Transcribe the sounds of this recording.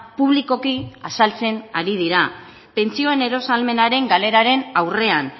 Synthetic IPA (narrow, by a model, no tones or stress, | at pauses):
puβliko̞kiasalt͡se̞naɾið̞iɾa | pe̞nt͡sio̞e̞ne̞ɾo̞salme̞naɾe̞ŋɡale̞ɾaɾe̞nawre̞an